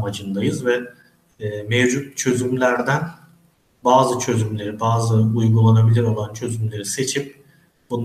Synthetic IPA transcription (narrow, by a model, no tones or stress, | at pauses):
mad͡ʒɯnd̪ajɯzvɛː | mevd͡ʒut̪̚t͡ʃʰø̞zymlʲæɾd̪æn | baːzɯt͡ʃʰø̞zymlʲe̞ɾibaːzɯujɡulˠanabilʲiɾo̞lˠant͡ʃʰø̞zymlʲe̞ɾise̞t͡ʃʰip̚ | b̥un